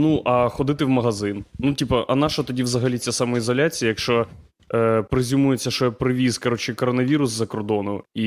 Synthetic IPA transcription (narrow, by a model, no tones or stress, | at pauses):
nuʔɐxɔd̪ɪt̪ɪwmɐɦɐzɪnnutʲipɐʔɐ̰nɑʃɐt̪ɔdʲiʋzɐɦɐlʲit͡sʲasɑmɔizɔlʲat͡sʲijɐjɐkʃt͡ʃɔ | pɾɪzʲumujet͡sʲːɐʃɔjɛpɾɪʋʲizkɐɾɔt͡ʃɪkɔɾɔnɐʋʲiɾʊszɐkɔrd̪ɔnʊi